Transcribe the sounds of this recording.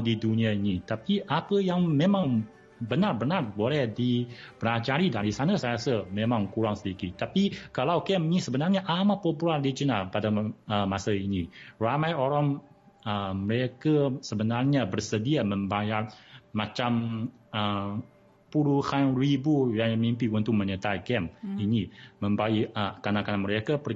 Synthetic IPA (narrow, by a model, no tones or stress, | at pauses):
diduniainit̪apiʔapəjaŋmemaŋ | bənarbənarbolɛhdib̥əlad͡ʒaɾidaɾisanasajasəmemãŋkuɾaŋsədikit̪apikalawkɛminisəbənarɲaʔamapopulardid͡ʒənalpadaəmasəiniramajoɾaŋ | əməɾekasəbənarɲabərsədiaməmbajarmat͡ʃam | ə | puluhanribujaŋmimpiwunt̪uməɲət̪ajkɛminiməmbaiəkanakanaməɾekapə